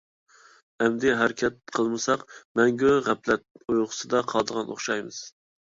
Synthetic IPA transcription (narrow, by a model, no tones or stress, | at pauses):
ɛmd̪ɪɦæɾkʲʰɛt̪̚qʰəlˠmɨsɑqmɛŋɡʲøʁæplɛt̪̚ojʁʊsɨd̪ɑqʰɑlˠd̪əʁɑno̰χʃɑjmɨ̰z̥